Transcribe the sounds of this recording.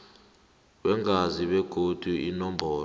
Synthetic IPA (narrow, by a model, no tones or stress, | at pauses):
wɛŋaziɓɛɡ̥ʱod̥ʱuinɔmbʱɔːl